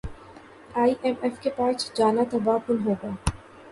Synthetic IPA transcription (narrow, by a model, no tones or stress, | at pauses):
aːiʔɛmɛfkepaːsd͡ʒaːnat̪ɐbaːkʊlɦoːɡaː